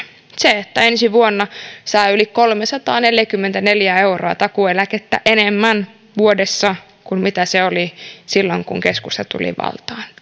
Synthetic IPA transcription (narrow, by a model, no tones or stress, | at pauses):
seet̪ːæensiʋuonːɑsɑiylikkolmesɑt̪ɑːneljækymːent̪æne̞ljæeuro̰ɑt̪ɑkuelæket̪ːæ̰ʔenemːæn | ʋuodesːɑ | kummit̪æseolisilːoŋkṵŋkeskust̪ɑt̪ṵlḭʋɑ̰lt̪ɑːn